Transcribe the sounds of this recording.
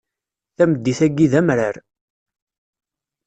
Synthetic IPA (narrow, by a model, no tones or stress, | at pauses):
θæməd̪ːiθæɡːiðæmɾəɾ